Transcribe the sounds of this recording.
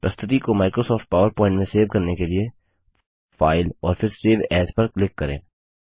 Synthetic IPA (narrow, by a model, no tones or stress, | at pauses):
pɐst̪ʰɪt̪ikomaːɪkɾosɔːfʈ̚paːʋəɾpɔ̃ːɪ̃ɳʈmẽseːʋkɐɾnekelie | faːɪlɔːɾpʰɪɾseːʋɛːzpɐɾklɪkːɐɾḛ̃ː